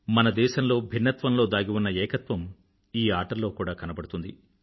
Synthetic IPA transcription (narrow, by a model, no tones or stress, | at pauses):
mɐnɐd̪ɛːʃɐmlo̞ːbʱinːɐt̪ʋɐmlo̞ːd̪aːɡiʋunːɐɛːkɐt̪ʋɐm | iːaːʈɐɾlo̞ːkuːɽaːkɐnɐbɐɽut̪und̪ḭ